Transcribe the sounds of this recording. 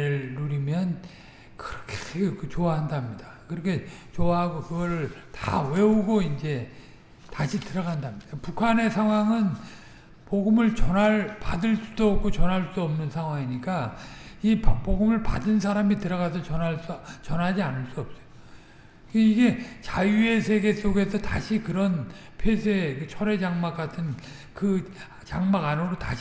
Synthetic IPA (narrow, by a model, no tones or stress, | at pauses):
eɭːuɾimjʌn | kɯɾʌkʰe̥ekt͡ɕoaɦandamɲidakɯɾʌkʰe̞t͡ɕoaɦaɡokɯɡʌɾɯɭta̰we̞uɡoind͡ʑe̞ | taɕʰitɯɾʌɡandamɲid̥apukʰane̞sʰaŋwaŋɯn | poɡɯmɯɭt͡ɕʌnaɭpadɯɭs͈ud̥oːp̚k͈ʰot͡ɕʌnɦaɭs͈oʌmnɯnsʰaŋɦwaŋiɲik͈aippoɡɯmɯɭpa̰dɯnsʰaɾamitɯɾʌɣasʰʌt͡ɕʌnaɭs͈t͡ɕʌnɦad͡ʑianɯɭs͈uʌp̚s͈ʌjo | eiɡe̞t͡ɕajue̞sʰe̞ɡe̞s͈oɡe̞sʰʌta̰ɕʰikɯɾʌn | pʰesʰekɯt͡ɕʰʌɾe̞d͡ʑaŋmak͈atʰɯn | kɯ | t͡ɕaŋmaɡanoɾotaɕ